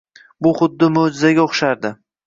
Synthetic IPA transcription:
bʊχʊd̪ːɪmod͡ʒɪzaɡʲaoχʃaɾd̪ɪ

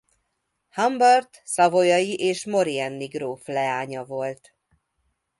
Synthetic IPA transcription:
hɒmbɒrt̪sɒvo̞jɒjiʔeːʃmo̞ɾiɛnːiɡroːflɛaːɲɒvo̞lt̪

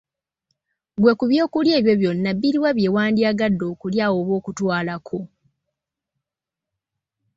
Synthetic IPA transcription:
ɡwe̞kuβjo̞ːkulje̞ːβjo̞βjo̞nːabːiɾiwaβje̞ːwaːndiaɡadːo̞ːkuljaːwo̞ːβo̞ːkutwaːlakʰo̞

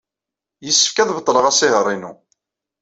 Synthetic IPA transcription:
jəsːə̥fkæðbət̪ˤːləʁæsɪɦəɾˤinu

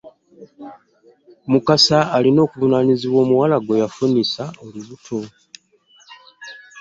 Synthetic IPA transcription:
mukasaːlino̞ːkuvunaniziβwo̞ːmuwalaɡo̞jafunisaoluβutʰo̞

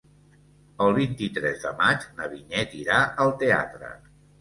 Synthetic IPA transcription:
əlˠβint̪it̪ɾɛzðəmad͡ʒnəβinɛt̪iɾaʔəlˠt̪ea̰t̪ɾə̰

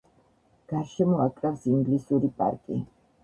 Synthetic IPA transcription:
ɡ̥aɾʃɛmɔakʼɾafsiŋɡlisuɾipʼa̰ɾkʼḭ

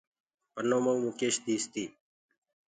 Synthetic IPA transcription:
pənoːməwmũːkeːɕd̪iːst̪iː

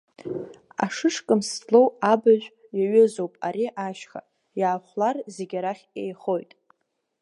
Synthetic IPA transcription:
a̰ʂɨʂkʼɨmslowabaʒᶣʷ | jaɥɪzowpʼaɾiʔaʃχa̰ | jaːχʷlarzeɡʲaɾaχʲejχo̞jtʼ

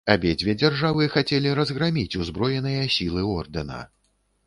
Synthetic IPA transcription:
abʲed͡zʲvʲɛd͡zʲarʐavɨxat͡sʲɛlʲiɾɐzɣɾamʲit͡sʲuzbɾɔjɛnɨjɐsʲilˠɨɔrd̪ɐnɐ̰

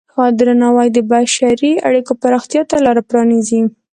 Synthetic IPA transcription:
xɑd̪ɾanɑwajd̪əbaʃaɾia̰ɽikopaɾɑxt̪jɑt̪alɑɾapɾɑnizi

